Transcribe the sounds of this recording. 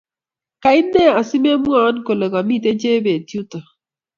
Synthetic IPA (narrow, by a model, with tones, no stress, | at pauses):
ka˨ɪ˦nːe˦a˨si˦m˦e˦mwa˦nko˨le˨ka˨mi˦te˦d͡ʒe˦be˨tju˦tə˨